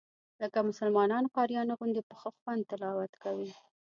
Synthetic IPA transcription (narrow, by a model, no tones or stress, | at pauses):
ləkamʊsəlmɑnɑnkɑɾijɑnaɣʊnd̪epəxəxwand̪̚t̪ɪlɑwat̪kawi